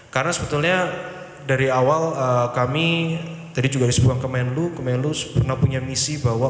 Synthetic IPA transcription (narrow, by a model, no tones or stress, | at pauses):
karnasəbət̪ulɲa | daɾiawaləkamit̪adid͡ʒuɡadisəbuaŋkəmaɪnlukəmaɪnluspərnahpuɲamisibawa